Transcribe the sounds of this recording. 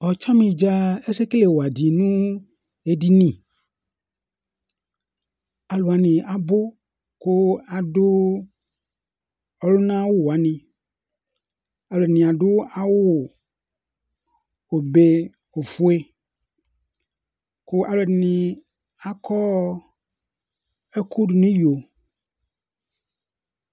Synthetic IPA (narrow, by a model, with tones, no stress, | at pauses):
ɔ˨t͡ʃa˦mĩ˨d͡ʒa˦e˦se˦kle˨wo˨a˨di˨nũ˦ | e˦di˦nĩ˨ | a˨lo˨a˨nĩ˨ʔa˨bo˦ | ko˦a˨do˦ | ɔ˨lo˦nã˦wo˦˨wo˨a˨nĩ˨ | a˨lnĩ˨a˨ɖʊ˦a˨wo˦wo˨ | o˨be˦ | o˨fu˦e˦ | ko˦ʔa˨lo˨dnĩ˨ | a˨kʰɔ˦ | e˦ku˦ɖu˨nĩ˦jo˨